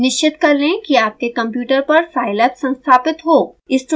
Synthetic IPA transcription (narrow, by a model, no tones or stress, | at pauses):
nɪʃt͡ʃɪt̪kɐɾlẽkiaːp̚kekɐ̃mpjuːʈəɾpɐɾfaːɪlət̪sɐ̃nst̪ʰaːpɪt̪ɦoːɪsʈ